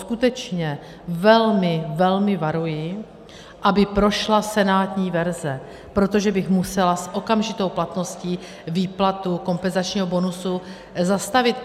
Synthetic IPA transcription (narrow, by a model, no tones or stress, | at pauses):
skut̪ɛt͡ʃɲɛ | vɛlmɪvɛlmɪvaɾujɪ | ʔabɪpɾo̞ʃlasɛnaːt̪ɲiːvɛɾzɛ | pɾo̞t̪o̞ʒɛbɪxmusɛlasʔo̞kamʒɪt̪o̞wplat̪no̞sciː | viːplat̪uko̞mpɛnzat͡ʃɲiːɦobo̞nusu | zast̪avɪt̪